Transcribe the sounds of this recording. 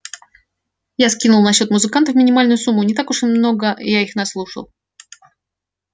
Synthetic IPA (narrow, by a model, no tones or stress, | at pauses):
jaskʲinʊlˠnɐɕːo̞t̪mʊzɨkant̪əfmʲɪnʲɪmalʲnʊjʊsumːʊnʲɪt̪akʊʂmno̞ɡəjaixnɐslˠuʂə̰lˠ